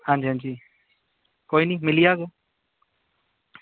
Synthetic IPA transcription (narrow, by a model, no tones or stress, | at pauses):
hãnd͡ʒiɦãnd͡ʒi | koinimɪlijaɡo